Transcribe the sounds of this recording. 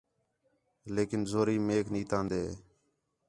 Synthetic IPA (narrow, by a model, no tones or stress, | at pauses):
leːkɪnzoːɾiːmeːkʰniːt̪ãːnd̪eː